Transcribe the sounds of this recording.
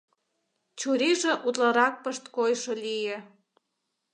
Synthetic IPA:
t͡ɕuɾiʒĕʔut̪lɑɾɑk̚pəʃt̪kojʃolijĕ

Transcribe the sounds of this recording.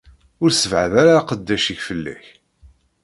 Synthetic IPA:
ʊɾsəvʕəðaɾaqəd̪ːæʃiçfəlːæ̰ç

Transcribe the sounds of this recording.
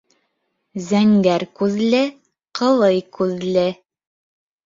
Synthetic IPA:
zæŋɡæɾkʉðlɘ | qɤ̆lˠɤjkʉðlɘ

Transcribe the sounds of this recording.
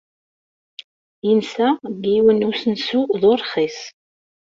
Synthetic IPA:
jənsæɡiwənusənsuðoɾˤχis

